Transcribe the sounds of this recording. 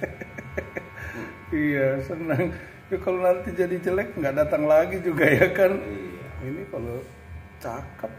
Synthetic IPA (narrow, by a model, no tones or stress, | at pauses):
ijasənaŋ | d͡ʒakalonant̪id͡ʒadit͡ʃəlɛk̚ŋɡaʔdat̪aŋlaɡid͡ʒuɡajakaninikalo | t͡ʃakəp̚